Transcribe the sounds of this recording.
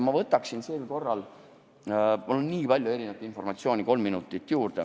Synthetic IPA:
mɑvɤt̪ːˑɑksinseːlko̞rːɑl | mulonnːiːpɑlʲjue̞ɾinet̪info̞rmɑt̪sio̞ːnʲiko̞lmːinut̪ːˑit̪ːˑjuːɾd̪̥ḛ

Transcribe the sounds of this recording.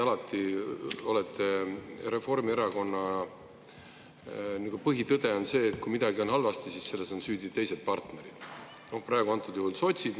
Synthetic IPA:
ɑlɑt̪ːˑio̞le̞t̪ʰˑːe̞ɾe̞fo̞rmieɾɑko̞nːɑ | nykupɤɦit̪ɤd̪̥e̞o̞nse̞ːt̪̚kumid̪̥ɑɡio̞nɦɑlvɑst̪isisse̞lːe̞so̞nsyːd̪it̪ːe̞jse̞d̪̥̚pɑrt̪ne̞ɾid̪̥ | no̞hpræeɡuɑnt̪ːˑud̪̥juɦulso̞t̪ʲsid̪

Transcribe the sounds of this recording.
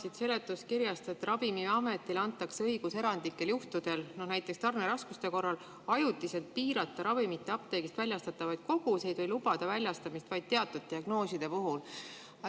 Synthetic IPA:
sid̪se̞le̞t̪ːˑuskiɾjɑst̪e̞t̪ːˑrɑvimiɑme̞t̪ːˑilɑnt̪ːˑɑkseɤiɡ̥use̞ɾɑnd̪̥ikːe̞ljuht̪ud̪̥e̞lno̞hnæjt̪ːˑe̞kst̪ɑrneɾɑskust̪e̞ko̞rːɑl | ɑjut̪ːˑise̞lt̪̚piːɾɑt̪ˑːɑɾɑvimit̪ːˑeɑpt̪e̞jɡ̥ist̪vælʲjɑst̪ɑt̪ːˑɑvɑjd̪̥̚ko̞ɡ̥use̞jd̪vɤjlubɑd̪̥ɑvælʲjɑst̪ɑmist̪vɑjd̪̥̚t̪e̞ɑt̪ːˑud̪̥̚t̪iɑɡ̥no̞ːsid̪̥e̞puɦul

